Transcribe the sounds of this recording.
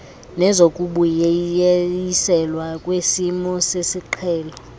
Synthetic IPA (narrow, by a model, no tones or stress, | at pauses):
nɛzokʼuɓuje | isɛlwakʼwesimɔsesiǃʰɛːlɔ